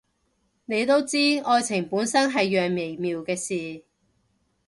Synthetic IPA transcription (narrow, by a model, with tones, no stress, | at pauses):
ne˨˧jt̪o˥wt͡siː˥ɔː˧jt͡sʰɪ˨˩ŋpuː˨˥nsɐ˥nɦɐ˨jːœː˨ŋme˨˩jmiː˨wkɛː˧siː˨